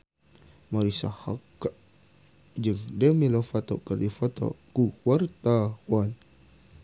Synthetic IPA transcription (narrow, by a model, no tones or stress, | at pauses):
maɾisahakːaʔ | d͡ʒɨŋdəmilofat̪o̰karifat̪o̰kukwart̪awan